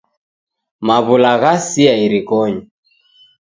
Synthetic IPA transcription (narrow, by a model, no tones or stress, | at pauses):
maβulaɣasiaiɾikɔɲɔ